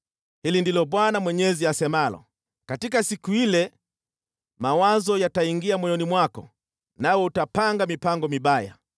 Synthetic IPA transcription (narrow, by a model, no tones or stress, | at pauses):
hilindilɔɓwanamwɛɲɛziasɛmalɔ̰ | katikasikuilɛ | mawazɔjataiŋɡiamwɛjɔnimwakɔ̰ | nawɔutapaŋɡamipaŋɡɔmiɓaja̰